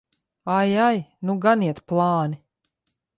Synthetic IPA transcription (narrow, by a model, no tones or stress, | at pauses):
ajajnuɡaniɛt̪plˠɑːni